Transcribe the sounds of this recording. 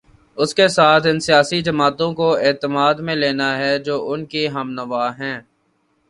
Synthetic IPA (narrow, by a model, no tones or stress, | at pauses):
ʊskesaːt̪ʰɪ̃nsijaːsid͡ʒɐmaːt̪õkoeːt̪əmaːd̪mẽleːnaɦɛd͡ʒoːʔʊnkiɦɐmnəʋaːɦɛ̃ː